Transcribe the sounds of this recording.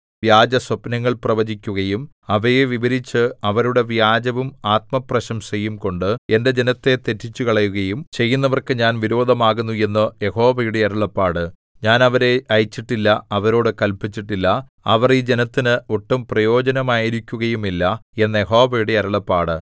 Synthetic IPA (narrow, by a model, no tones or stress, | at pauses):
ʋjaːd͡ʑɐswɐpnɐŋːɐɭprɐʋɐd͡ʑikʲːuɣɐjumɐʋɐjeʋiʋɐɾit͡ɕːɨɐʋɐɾuɽe̞ʋjaːd͡ʑɐʋumaːt̪̚mɐprɐɕɐmsɐjːumko̞ɳɖɨe̞nde̞d͡ʑe̞nɐt̪ːe̞t̪e̞tːit͡ɕːukɐɭɐjuɣɐjumt͡ɕe̞jːunːɐʋɐrkɨɲaːnʋiɾo̞ːd̪ʱɐmaːɣunːue̞nːɨjeho̞ːʋɐjuɽeɐɾuɐɭɐpːaːɽɨ | ɲaːnɐʋɐɾe̞ɐjit͡ɕːiʈːilːɐɐʋɐɾo̞ːɽɨkɐlpit͡ɕːiʈːilːɐɐʋɐriːd͡ʑe̞nɐt̪ːinɨoʈːumprɐjo̞ːd͡ʑɐnɐmaːjiɾikʲːuɣɐjumilːɐe̞nːɐjeɦo̞ːʋɐjuɽe̞ɐɾɐɭɐpːaːɽɨ